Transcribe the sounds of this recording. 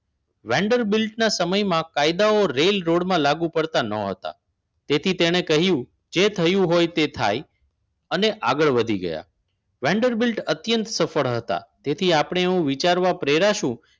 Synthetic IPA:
ʋɛ̃ɳɖəɾbilʈnasəməjmãkajd̪aoɾelɾoɽmãlaɡũpəɾt̪anə̰ɦə̰t̪a̰ | t̪et̪ʰit̪eɽ̃ekəɦjũ | d͡ʒet̪ʰəjũɦojt̪et̪ʰa̰j | əneʔaɡəɭʋəd̪ʱiɡə̰ja̰ | ʋɛ̃ɳɖəɾbilʈət̪jənt̪səfəɭɦət̪a̰t̪et̪ʰiapɳ̃eeũʋit͡ʃaɾʋapɾeɾaʃũ

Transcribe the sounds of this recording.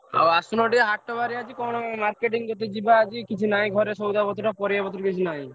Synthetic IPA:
a̰wasunoʈieɦaʈːɔbaɾiat͡ʃikɔnomaɾkeʈ̬iŋɡot̪̬ed͡ʑibaad͡ʒikit͡ʃʰunajɡʱɔɾeʃowd̪abɔt̪uʈapɔɾiabɔt̪uɾkit͡ʃʰunaj

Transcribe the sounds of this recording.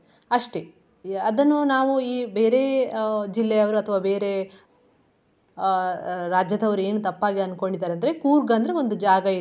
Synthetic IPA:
ɐʂʈe̞ | ɐd̪ɐnːunaːʋuiːbe̞ːɾe̞d͡ʒilːɛjɐʋɐɾuɐt̪ʰɐʋaːbe̞ːɾe̞ | ɾaːd͡ʒjɐd̪ɐʋɐɾue̞ːnut̪ɐpːaːɡiɐnːko̞ɳɖid̪ːaːɾeɐnd̪ɐɾekuːɾɡɐnd̪ɐɾeo̞nd̪ud͡ʒaːɡɐi

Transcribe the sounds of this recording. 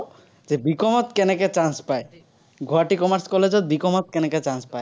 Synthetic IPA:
d͡ʑebikɔmɔt̪kɛneket͡ɕanspae | ɡʱoaʈikɔmaɾskɔled͡ʑɔt̪̚bikɔmɔt̪̚kɛneket͡ɕanspae

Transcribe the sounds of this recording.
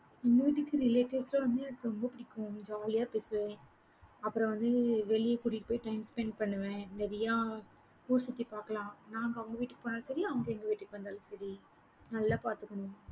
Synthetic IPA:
ɛŋɡɐʋiːʈːɯkːɯɾɪleːʈeslɐʋɐnd̪ɯɛnɐkːɯɾɔmbɐpɪɽɪkːʊ̃d͡ʒaːlɪjaːpeːsɯʋẽː | ɐpːɯɾɐ̃ʋɐnd̪ɯʋɛɭɪjɐkuːɽɪʈpoːjiʈɐɪmspɛnpɐɳːɯʋẽnɛɾɐjaː | puːɾsɐt̪ːipaːɾkɐlãːnãːŋɡɐɐʋɐŋɡɐʋiːʈːɯkːɯpoːnaːlɐsɐɾiɐʋɐŋɡɐɛŋɡɐʋiːʈːɯkːɯʋɐnd̪aːlɐsɐɾi | nɐlːaːpaːɾt̪ɯkːɐɳʊ̃

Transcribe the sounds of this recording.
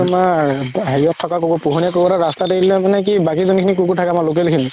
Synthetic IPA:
maɦejɔtʰːɔkakukupuɦɔnjakobɔɾaɹastateitilɛmanɛk̬ibakizonikʰinikukutʰakɛmalok̬elkʰini

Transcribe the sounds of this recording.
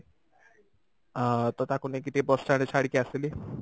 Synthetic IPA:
t̪ɔt̪akunek̬it̪ibɔst͡ʃaɽ̃et͡ʃʰaɽikiasili

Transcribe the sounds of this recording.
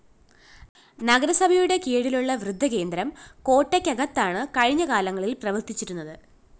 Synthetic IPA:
nɐɡɐɾɐsɐbʱɐjuɽe̞keːɻiluɭːɐʋrɨd̪ʱːɐke̞ːnd̪ɾɐmko̞ːʈːɐkʲːɐɣɐt̪ːaːɳɨkɐɻiɲːɐkaːlɐŋːɐɭilprɐʋɐrt̪it͡ɕːiɾunːɐðɨ

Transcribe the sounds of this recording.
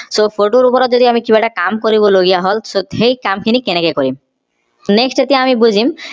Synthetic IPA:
sopʰoʈoɾupɔɾɔzod̪iamikibaʈakamkoɾiboloɡijaɦolsoɦejkamkʰinikenekekoɾim | neksʈat̪iamibud͡ʑʱim

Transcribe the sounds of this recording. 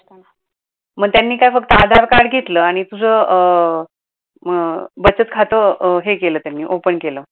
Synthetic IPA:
məɡ̚t̪janːiːkajfək̚t̪əad̪ʱaɾkaɽɡʱet̪ləːaɽ̃it̪ud͡zʱə | bət͡sət̪kʰat̪əɦekeləːt̪janːiːʔopənkeləː

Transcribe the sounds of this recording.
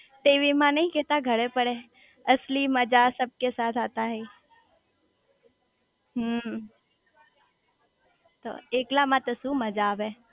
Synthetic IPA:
t̪eːʋimãnɐĩkeːt̪aɡʱəɽepəɽe | əsliməd͡ʒasəb̚kesaːt̪ʰaːt̪aɦeː | ɦə | t̪o̰ːeːklamãt̪əsumɐd͡ʒaʋẽː

